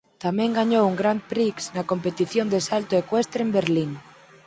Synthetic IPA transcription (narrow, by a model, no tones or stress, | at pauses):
t̪amẽŋɡaɲowuŋɡɾampɾiksnako̞mpet̪iθjond̪esalt̪oekwest̪ɾembeɾliŋ